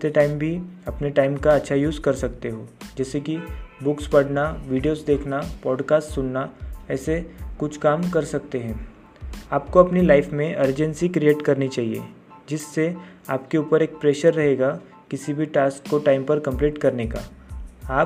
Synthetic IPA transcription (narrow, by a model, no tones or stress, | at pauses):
t̪eʈaːɪmbʱiɐpneʈaːɪmkaɐtːʃʰajuːzkɐɾsɐkt̪eɦoːd͡ʒɛːsekibʊkspɐɽ̤naʋiːɖijoːzd̪eːkʰnapɔːɖkaːsʈsʊnːaɛːsekʊt͡ʃʰkaːmkɐɾsɐk̚t̪eɦɛ̃ː | aːpkoɐpnilaːɪfmẽʔɐɾd͡ʒə̃nsikɾieːʈkɐɾnit͡ʃaːɦiḛ | d͡ʒɪsːe | aːpkeuːpəɾeːk̚pɾeːʃəɾːɐɦeːɡa | kɪsibʱiʈaːskkːoʈaːɪmpɐɾkɐ̃mpliːʈkɐɾneka̰ːaː